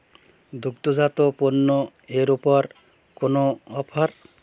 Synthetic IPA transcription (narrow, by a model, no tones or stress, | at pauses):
d̪uɡ̚t̪ozat̪oponːoeɾupɔɾ | konoɔpʰɔɾ